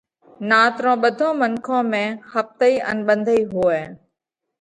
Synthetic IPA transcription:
naːt̪ɾõːɓəd̪ʱõːmənkʰõːmẽːxəf̚t̪əiːʔə̰nɓə̃nd̪ʱəiːɦuːeː

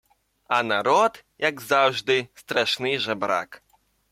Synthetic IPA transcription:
anaɾɔt̪jaɡzawʐd̪ɨst̪ɾaʂnɨjʐɛbɾa̰k

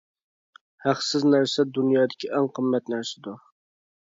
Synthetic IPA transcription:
hæqsɪznæɾsɛd̪unjɑːd̪ɪkʲʰiʔɛŋqʰəmːɛt̪næɾsɪd̪ʊ

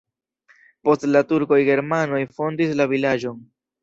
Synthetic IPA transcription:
po̞stlatuɾko̞jɡe̞ɾmano̞jfo̞ndislavilad͡ʒo̞n

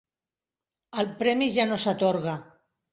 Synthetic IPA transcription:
alpɾemiʒanosat̪oɾɣa

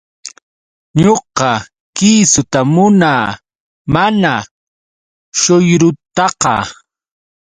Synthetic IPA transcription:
ɲoqɑ | kiːsʊt̪amʊnaː | mana | ʃojɾʊt̪ɑqɑ̰

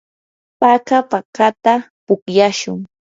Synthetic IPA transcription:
pakapakat̪a | pʊkjaʃʊŋ

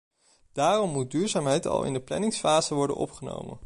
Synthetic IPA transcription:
d̥aːrɔmːud̚dyːɹzaːmɦɛjtɑ̰lˠɪ̰ndəplɛ̰nɪŋsfaːzəʋɔɹdə̰nʔɔ̰pχəno̰wmə̰n

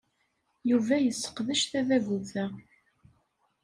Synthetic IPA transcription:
juvæjəsːə̥qðəʃθæðæɡuθæ

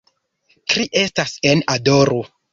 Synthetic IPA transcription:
kɾiʔe̞stasenadoɾo

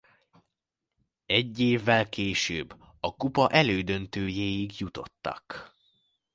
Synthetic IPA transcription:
ɛɟːeːvːɛlkeːʃø̰ːbː | ɒkupɒʔɛløːd̪ø̞nt̪øːjeːjiɡjut̪o̞̰t̪ːɒ̰k

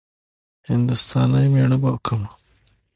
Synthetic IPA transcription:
hɪnd̪ust̪ɑːnajmeɽəbakʰəma

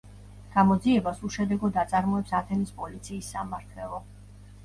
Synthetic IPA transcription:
ɡ̥amɔd̪ziɛbasuʃɛd̪ɛɡɔd̪at̪sʼaɾmɔɛpsat̪ʰɛnispʼɔlit̪sʰiːsːamaɾt̪ʰɛlˠɔ

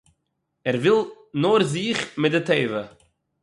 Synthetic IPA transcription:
ɛɾvɪlˠ | noɾziːχmɪt̚dɪteɪvə

